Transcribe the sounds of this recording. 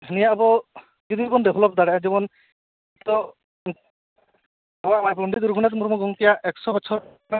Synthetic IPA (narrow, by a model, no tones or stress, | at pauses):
nijabɔ | d͡ʒud̪ibɔnd̪ebʱɔlɔpd̪aɽɛd͡ʒibɔn | t̪ɔ | bamapɾuɳɖid̪uɾɡʰʱunat̪muɾmɔɡɔŋt̪ijaʔɛksɔbɔt͡ʃʰɔɾ | a